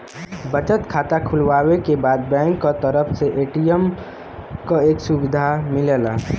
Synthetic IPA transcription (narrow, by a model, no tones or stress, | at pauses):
bət͡ʃət̪kʰaːt̪akʰʊlwaːwekebaːd̪̚bɛ̃ːŋkːot̪əɾəpʰseʔeːʈijəm | koeːksubɪd̪ʱamɪlelaː